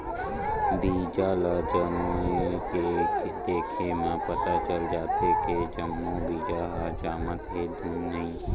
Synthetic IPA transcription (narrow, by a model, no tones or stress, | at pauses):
d̪iːd͡ʒaːlad͡ʒəmueke | t̪eːkʰenə̃pət̪at͡ʃəld͡ʒaːt̪eked͡ʒənːũbiːd͡ʒaːɦad͡ʒaːmət̪ɦed̪ʱuːmnɐɦĩː